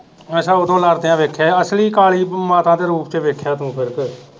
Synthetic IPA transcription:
ɛːsãːʊd̪õːləɾd̪eãːʋeːkʰːɛːəsliːkaːɭiːmaːt̪ãːd̪eːɾuːpt͡ʃeʋeːkʰːjãːt̪ũːpʰɪɾək

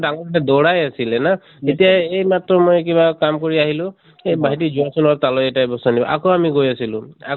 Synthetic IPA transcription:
daŋɔatɛd̪ɔɹajasilɛna | etijaejmatɹɔmojkibakamkɔɹiaɦilʊ̃ | baɦitizuasɔnɔɹt̪alɔejtajbɔsanibɔʔa̰koamiɡojasilʊ̃a

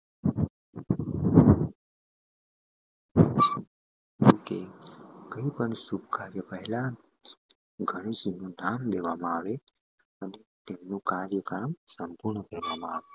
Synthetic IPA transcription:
t̪uːkekəipəɳsub̚kaɾjəpəɦɪla | ɡʱəɽ̃isinunamd̪eʋamaaːʋe | ənet̪emnukaɾjəkamsəmpuɾɳəkəɾʋamaaːʋe

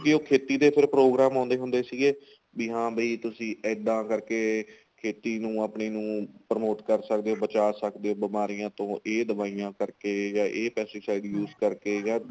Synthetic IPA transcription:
kɪoːkʰeːt̪iːd̪eːpʰɪɾpɾoːɡɾaːmãːnd̪eːɦʊ̃nd̪eːsiːɡeː | biːɦãːbəiːt̪ʊsĩːɛɖ̪ãːkəɾkeː | kʰeːt̪iːnũːaːpɳeːnũːpɾəmoːʈ̪kəɾsək̚d̪eːoːbət͡ʃaːsəkd̪eːoːbəmaːɾijãːt̪õːʔeːd̪əbaːijãːkəɾkeːjãːʔeːpɛːseːsaːɪɖjuːzkəɾkeːjãː

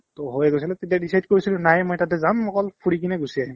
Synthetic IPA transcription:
tɔɦojɛɡojs̬ilɛtetijadisajdkoɹisilʊ̃najmɔjtatɛzanmɔkɔlpʰuɹikinɛɡusiaɦim

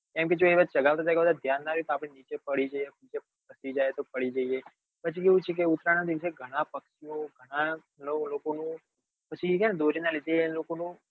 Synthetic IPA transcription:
kɛ̃mked͡ʒoeʋad͡ʒt͡ʃəɡaʋt̪at̪akebəd̪ad̪ʱjanːaɾt̪oapɽ̃enit͡ʃepəɽid͡ʒaienit͡ʃe | kəsid͡ʒajt̪opəɽid͡ʒəie | pət͡ʃʰikeʋũt͡ʃʰek̬eʊt̪ɾanad̪iʋəseɡʱəɽ̃apəkʃiõɡʱəɽ̃a | lolokonũ | pət͡ʃʰikand̪ʱoɾinaled͡ʒ̪elokonũ

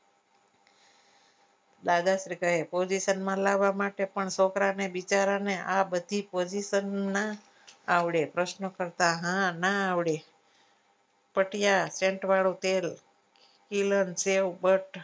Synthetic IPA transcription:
d̪aɡasɾikəɦepod͡ʒiʃənmãlaʋamaʈepəɳsokɾanebit͡ʃaɾaneʔabəd̪ʱipod͡ʒiʃənːa | aʋɽepɾəʃnəkəɾt̪aɦãnaːʋɽe | pəʈjasẽɳʈʋaɭut̪el | kilənseʋbəʈ

